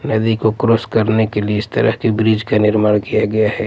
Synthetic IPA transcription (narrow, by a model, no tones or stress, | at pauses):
nɐd̪ikokɾoskɐɾnekelieɪst̪ɐ̰ɾə̰ɦkibɾɪd͡ʒkanɪɾmaːɽ̃kijaɡɐjaɦɛː